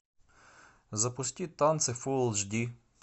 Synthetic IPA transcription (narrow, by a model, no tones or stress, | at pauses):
zɐpʊstʲit̪ant̪sɛfulˠʒd̪ʲi